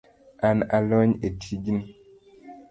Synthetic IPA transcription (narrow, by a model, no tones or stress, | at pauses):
analɔɲetʰid͡ʒin